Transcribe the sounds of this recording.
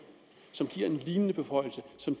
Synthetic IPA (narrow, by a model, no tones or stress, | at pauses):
sɒ̽mɡ̥iɐ̰e̝nliːnənəb̥e̝fɒ̽ɪ̰l̩səsɒ̽m